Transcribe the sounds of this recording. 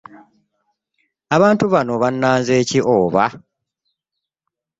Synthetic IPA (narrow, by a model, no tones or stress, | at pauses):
aβaːntuβano̞βanːaːnzeːciʔoːβa